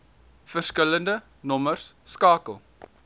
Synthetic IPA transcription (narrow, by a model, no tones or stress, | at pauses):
fərskələndə | nɔmərsːkɑːkəlˠ